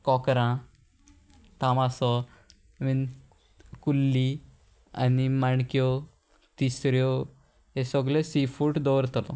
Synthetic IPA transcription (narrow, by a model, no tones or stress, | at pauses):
kɔkɾã | t̪amasɔ | min | kulːi | a̰nimaɳkjɔ | t̪isɾjɔ | esɔɡlesifuʈd̪ɔʋɾt̪əɾt̪ɔ